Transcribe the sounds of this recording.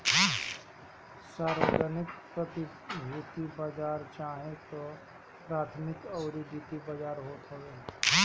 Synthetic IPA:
saːɾwəd͡ʒənɪk̚pɾət̪i | bʱuːt̪ibad͡ʒaːɾt͡ʃaːɦẽt̪o | pɾaːt̪ʰmɪkɔʊɾid̪iːt̪ibad͡ʒaːɾɦoːt̪ɦoɡeː

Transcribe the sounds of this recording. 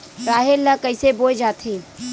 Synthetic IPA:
ɾaːɦelːakəɪseboːjd͡ʒaːt̪ʰeː

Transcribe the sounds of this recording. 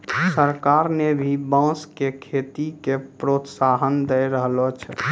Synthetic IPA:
səɾkaɾnebʱibãskekʰet̪ikepɾot̪saɦənd̪əjɾəɦlot͡ʃʰ

